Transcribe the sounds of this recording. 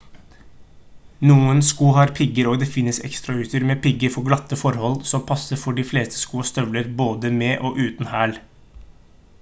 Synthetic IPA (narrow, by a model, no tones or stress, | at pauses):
nuːənskuːɦɑɾpʰɪɡəɾɔd̪ɛfɪnːəsɛ̰kst̪ɾɑʉːt̪əɾmɛːpɪɡəɾfɔɾɡlɑt̪ːəfɔɾhɔlːsɔmpʰɑsːəɾfɔɖɪfleːst̪ə̥skuːst̪œʋləɾboːd̪əmeːʔɔʔʉːt̪n̩hæːl